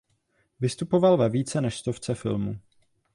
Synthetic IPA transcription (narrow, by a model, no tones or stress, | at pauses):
vɪst̪upo̞valvɛviːt͡sɛnɛʃst̪o̞ft͡sɛfɪ̰lmṵ